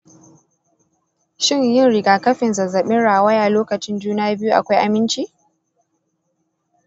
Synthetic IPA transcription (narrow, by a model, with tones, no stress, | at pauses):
ʃɪ˦˨ɲjɪ˦˨nɽɪ˨ɡaː˨kɐ˦ɸɪ˨nzɐ˨zɐ˨ɓɪ˦nɽaː˨wɐ˦jaː˨loː˦kɐ˨t͡ʃɪ˦nd͡ʒuː˦naː˦bɪ˦ju˦ʔa̰˨kʷa˦jʔa˨mɪ˦nt͡ʃiː˦